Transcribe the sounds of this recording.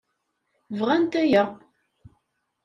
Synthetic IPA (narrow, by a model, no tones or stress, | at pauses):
vʁænt̪æjə